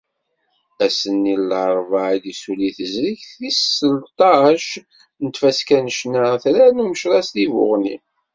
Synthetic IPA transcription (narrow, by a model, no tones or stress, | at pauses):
æsənːilːɾˤvaʕid̪isuliθəzɾiçθisəlt̪ˤɑʃ | nət̪fæskænəʃnəθɾænuməʃɾˤɑst̪ivʊ̰ʁnḭ